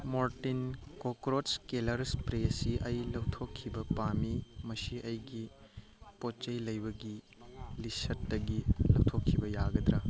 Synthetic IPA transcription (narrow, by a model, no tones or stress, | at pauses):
moɾtinkokɾotskelɐɾspɾesiʔɐjlɐwtʰokʰːibɐpamimɐsiʔɐjɡi | pot͡ʃɐjlɐjbɐɡi | lisɐtːɐɡilɐwtʰokʰːibɐjaɡɐd̪ɾɐ